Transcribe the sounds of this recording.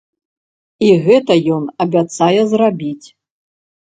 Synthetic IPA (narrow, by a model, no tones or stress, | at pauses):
iɣɛt̪ɐjɔnɐbʲat̪sajɛzrabʲit͡sʲ